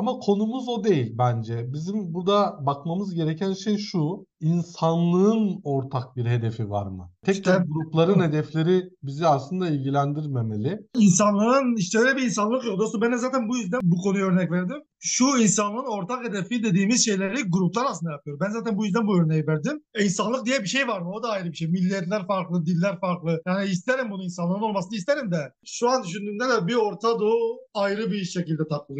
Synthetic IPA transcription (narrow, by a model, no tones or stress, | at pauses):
amakʰo̞numuzo̞d̪e̞jilʲbænd͡ʒɛbizimbuɾd̪abakmamɯzɟe̞ɾecʰænʃejʃu | insanlˠɯɯno̞ɾt̪ʰak̚biɾɦe̞d̪e̞fiva̰ɾmɯ̰t̪ʰɛɛɡuɾuplˠaɾɯnhe̞d̪ɛflʲe̞ɾibiziaslˠɯnd̪ailʲɟilʲænd̪iɾme̞me̞lʲɪins̬anlˠɯɯniʃt̪ɛd̪ølʲɛbiinsanlˠɯkjok̚d̪osombɛnɛzaːt̪ʰænbujyzd̪ænbukʰo̞nujøɾnɛcvæɾd̪im | ʃuins̬anlˠɯɯno̞ɾt̪ʰaked̪efid̪e̞d̪iːmizʃe̞jlʲeɾiɡuɾuplˠaɾaslɯnd̪ajapɯjoɾmbænzaːt̪ʰænbujyzd̪ænbuø̞ɾnejivæɾd̪iminsanlˠɯk̚d̪ijɛbiʃe̞jvaɾmɯod̪aːjɾɯbiʃejmilʲːijɛt̪lʲæɾfaɾklˠɯd̪ilʲːæɾfaɾklˠɯjaːniist̪ʰeɾimbunuinsanˠɯɾɯno̞lˠmasɯnɯist̪eɾimd̪ɛʃuand̪yʃynd̪yːnd̪ɛd̪ɛbio̞ɾt̪ʰad̪oajɾɯbiʃecilʲd̪ɛt̪ʰaklˠɯlˠ